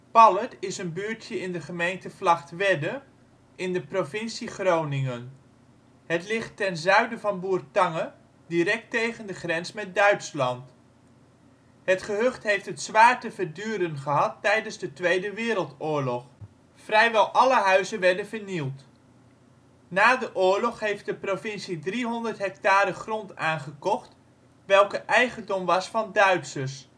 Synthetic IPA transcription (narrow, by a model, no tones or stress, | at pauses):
pɑlətɪsənbyːɹtʰjəɪndəχəmejntəflɑχtʋɛdə | ʔɪndəprovɪnsiχrownɪŋən | hətlɪχtːɛnzœɥdəvɑnbuːrtɑŋə | diɾɛk̚tejɣəndəχrɛnsmɛt̚dœɥtslɑnt | hətχəɦøχtɦejftɦətsʋaːɹtəvərdyːɾənχəɦɑtːɛjdənzdətʋejdəʋɪːɾəlˠtʊːɹlɔχ | frɛjʋɛlˠʔɑləɦœɥzənʋɛɹdənvəɹnilˠt | naːdəʔʊːɹlɔχɦejft̚dəprovɪnsidriɦɔndərtɦɛktaːɾəχrɔntaːnχəkɔχt | ʋɛlˠkəʔɛjχəndɔmʋɑsfɑndœɥtsəs